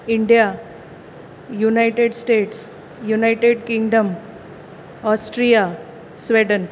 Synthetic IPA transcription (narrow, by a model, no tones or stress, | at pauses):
iɳɖija | junajʈeɖsʈeːʈs | junaɪʈeɖkĩŋɡɖəm | ɔsʈɾija | sʋeɖən